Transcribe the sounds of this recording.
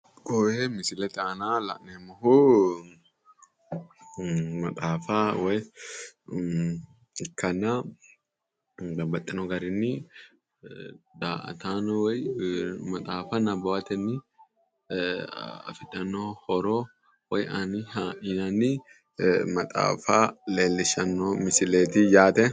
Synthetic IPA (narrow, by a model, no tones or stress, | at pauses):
ɡoemɪsɪlɛt̪aːnala̰ʔnɛmːɐhu | mɐt̪ʼaːfawɛj | kːɐna | bɐbɐt̪ʼːɪnɔɡɐɾɪnːɪ | d̪a̰t̪anwjmɐt̪ʼaːfanɐbɐwɐt̪ɛnɪ | ɐ̰fɪᶑɐnːohɔɾo | wɐjɐnihaɪnɐni | mɐt̪ʼa̰ːfaːleːlːɪʃɐnːomɪsɪleːt̪ijaːt̪ɛ